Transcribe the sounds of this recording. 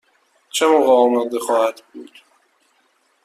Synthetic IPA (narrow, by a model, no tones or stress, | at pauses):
t͡ʃʰemoɣɛɒːmɒːd̪exɒːhæd̪buːd̪̥